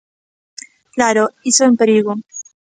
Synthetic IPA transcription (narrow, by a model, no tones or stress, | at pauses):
klaɾoisoempeɾiɣo